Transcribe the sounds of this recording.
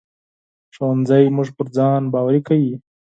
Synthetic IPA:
ʂowanzajmuʐpəɾd͡zɑnbɑwaɾikawi

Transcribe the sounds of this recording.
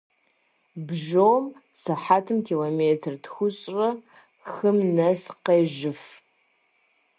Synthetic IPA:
bʒom | sɐħatʰɨmkʲʰiloːmeːtʰrtxʷʊɕʼrɐ | xɨmnɐsqeːʒɪf

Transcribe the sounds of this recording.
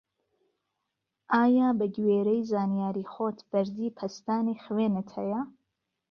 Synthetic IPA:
ʔaːjaːbɐɡweːɾɛjzaːnijaːɾiːxoːt̪b̥ɐɾd̪iːpʰɐst̪aːnixweːnɨt̪hɛ̰jɐ

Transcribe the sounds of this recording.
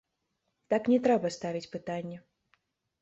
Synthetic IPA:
t̪aknʲɛt̪ɾɛbɐst̪avʲit͡sʲpɨt̪anʲːɛ

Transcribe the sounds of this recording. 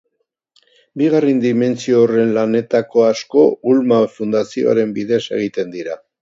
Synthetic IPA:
biɣarend̪ime̞nt͡sioːre̞nlane̞t̪ako̞asko̞ulmafund̪asio̰a̰ɾe̞mbiðe̞se̞̰ɣ̞it̪e̞nd̪iɾa

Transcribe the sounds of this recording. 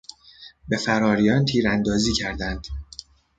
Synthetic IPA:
be̞fæɾɒːɾijɒnt̪ʰiːɾænd̪ɒːziːcʰæɾd̪ænd̪̥

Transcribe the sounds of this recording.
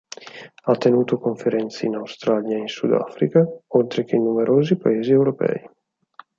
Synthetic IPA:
at̪ːenuːt̪okoɱfeɾɛnt̪siinawst̪ɾaːljainsud̪a̰fɾikaolt̪ɾek̟einumeɾʔoːzipaeːziɛwɾopɛ̰ːj

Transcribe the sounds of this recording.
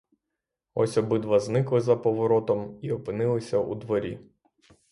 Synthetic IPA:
ɔsʲɔbɪd̪ʋɐznɪklˠɪzɐpɔʋɔɾɔt̪ɔmiɔpɪnɪlˠɪsʲɐʔṵd̪ʋɔɾʲḭ

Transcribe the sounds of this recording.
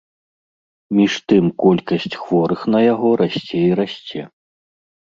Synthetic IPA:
mʲiʂt̪ɨmkɔlʲkɐsʲt͡sʲxvɔɾɨxnɐjaɣɔɾasʲt͡sʲɛiɾasʲt͡sʲɛ

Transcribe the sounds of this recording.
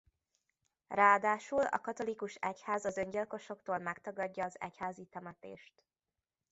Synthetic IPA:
raːd̪aːʃulɒ̰kɒt̪o̞likuʃɛchaːzɒzø̞ɲɟilko̞ʃo̞k̚t̪oːlmɛkt̪ɒɡɒɟːɒːzɛ̰chaːzit̪ɛmɛt̪ḛːʃt̪

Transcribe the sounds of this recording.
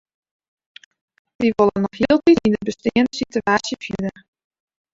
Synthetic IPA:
ʋiʋolənːɔxhiəlˠtitindəbəstiənsityaːsjəfidə

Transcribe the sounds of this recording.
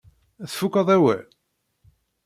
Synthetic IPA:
æθfukːɑðˤæwæ̰l

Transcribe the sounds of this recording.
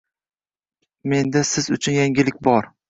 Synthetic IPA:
me̞nd̪asɪzʊt͡ʃʰʊnjaŋɡʲɪlɪk̚ʲbɒɾ

